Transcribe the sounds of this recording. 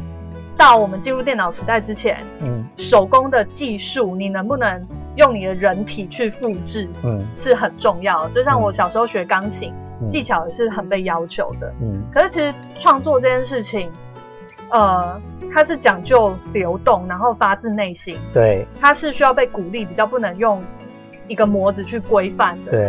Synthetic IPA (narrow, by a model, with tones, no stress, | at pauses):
t̪ɑ˥˩ʊwɔ˨˩mə˦nt͡ɕi˥˧nɻu˥˧t̪jɛ˥˩nɑ˨˩ʊʂɻ̩˧˥t̪a˥˩ɪʈ͡ʂɻ̩˥t͡ɕʰjɛ̰˧˦nʂo˧˩ʊkʊ˦˥ŋd̪ə˨t͡ɕi˥˧ʂu˥˩ni˨˩nə˧˥ŋpu˥˩nə˧˦ŋ | jʊ˥˩ŋni˨˩d̪ə˦ɻə˧˥nt̪ʰi˨˩t͡ɕʰy˥˧fu˥˧ʈ͡ʂɻ̩˥˩ʂɻ̩˥˩xə˨˩nʈ͡ʂʊ˥˧ŋjɑ˥˩ʊd̪ə˩t͡ɕjo˥˧ʊ˥ɕjɑ˥˩ŋwɔ˨˧˩ɕjɑ˨˩ʊʂɻ̩˧˥xo˥˩ʊɕɥɛ˧˥kɑ˥ŋt͡ɕʰi˨˩˦ŋ | t͡ɕi˥˩t͡ɕʰjɑ˨˩ʊd̪ə˩ʂɻ̩˥˩xə˨˩npe˥˩ɪjɑ˥ʊt͡ɕʰjo˧˦ʊd̪ə̰˨˥kʰə˩ʂɻ̩˥˩t͡ɕʰi˧˥ʂ̩˧˥ | ʈ͡ʂʰwɑ˥˧ŋt͡swɔ˥˧ʈ͡ʂɤ˥˧˩t͡ɕjɛ˥˧nʂɻ̩˥˩t͡ɕʰi˨˩ŋ | ə˨˩t̪ʰa˥ʂɻ̩˥˩t͡ɕjɑ˨˩ŋt͡ɕjo˥˩ʊljo˧˥ʊt̪ʊ˥˩ŋna˧˦nxo˥˩ʊfa˥t͡sɹ̩˥˧ne˥˩ɪɕi˦˥ŋt̪we˩ɪt̪ʰa˦ʂɻ̩˥˩ɕy˥jɑ˥˧ʊpe˥˩ɪku˨˩li˥˩pi˨˩t͡ɕjɑ˥˧ʊp̬u˥˩nə˧˥ŋjʊ˥˩ŋ | i˧˥ɡə˨mwɔ˧˦˥d͡zɹ̩˨˧t͡ɕʰy˥˩kwe˥ɪfa˥˩nd̪ə˨e˩